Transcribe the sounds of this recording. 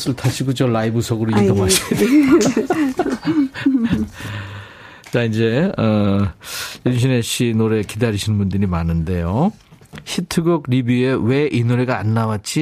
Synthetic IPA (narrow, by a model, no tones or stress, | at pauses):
sʰɯɭtʰaɕʰiɡut͡ɕʌɭːaibusʰʌɡɯɾoidʌmaɕide | t͡ɕaind͡ʑe̞ʌ | junɕʰineɕʰinoɾe̞kidaɾiɕʰinmbundɯɾimanɯnde̞jo | ɕʰitʰɯɡʌɡ̚ɾibue̞we̞ʔinoɾeɡaanːawat̚t͡ɕ͈i